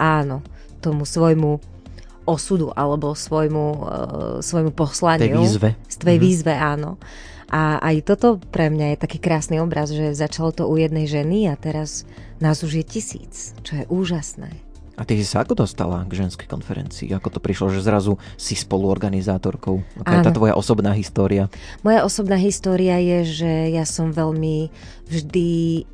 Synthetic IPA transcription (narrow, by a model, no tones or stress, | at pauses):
ʔaːnɔ | t̪ɔmusʋɔjmu | ɔsud̪uʔalɛbɔsʋɔjmu | sʋɔjmupɔslaɲɪiuːzʋɛfst̪ʋɛjʋiːzʋɛaːnɔ̰ | ʔaa̰jt̪ɔt̪ɔpɾɛmɲajɛt̪akiːkɾaːsniɔbɾazʒɛzat͡ʃalɔt̪ɔujɛd̪nɛjʒɛniat̪ɛɾaz | naːzuʒjɛcisḭːt͡st͡ʃɔjɛʔuːʒasnɛ̰ː | at̪isisaakɔd̪ɔst̪a̰la̰ɡʒɛnskɛjkɔnfɛɾɛ̰nt͡sḭːakɔt̪ɔ̥pɾiʃlɔʒɛzɾazu | sispɔluɔɾɡanizaːt̪ɔɾkɔʊakaɛːat̪ʋɔja̰ʔɔsɔbnaːɦist̪ɔːɾiamɔjaʔɔsɔbnaːɦist̪ɔːɾiajɛʒɛjasɔmʋɛʎmi | vʒd̪i